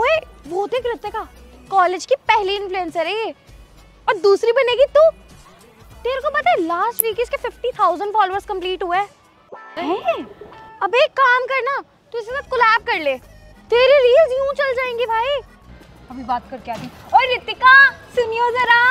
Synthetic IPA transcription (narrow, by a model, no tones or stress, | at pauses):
oe | ʋoːt̪eːkɾɪt̪ːekaːkɔːleːd͡ʒkipɛɦliɪ̃nfluɛ̃nsəɾee | ɔːɾd̪uːsɾibɐneɡit̪u | t̪eːɾekopɐt̪aːelaːsʈʋiːkɪskefɪfʈit̪ʰaːʊzə̃ɳɖfɔːloːəɾzkɐ̃mpliːʈɦuaː | ɐbeːkːaːmkɐɾna | t̪uɪsesɐkʊlɛːp̚kɐɾleː | t̪eːɾeɾiːlzjũːt͡ʃɐld͡ʒaːẽːŋɡibʱaːi | ɐbʱibaːt̪kɐɾkeaːt̪iɔːɾːɪt̪ːɪkasʊnijozɐɾaː